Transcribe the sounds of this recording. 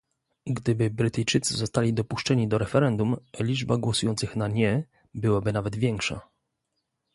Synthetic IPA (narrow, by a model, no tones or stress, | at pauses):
ɡd̪ɘbɘbɾɘt̪ɘjt͡ʂɘt̪sɘzɔst̪alʲid̪ɔpuʂt͡ʂɛɲid̪ɔɾɛfɛɾɛnd̪umlʲid͡ʐbaɡwɔsujɔnt̪sɘxnaɲɛ | bɘwabɘnavɛd̪vʲjɛŋkʂa̰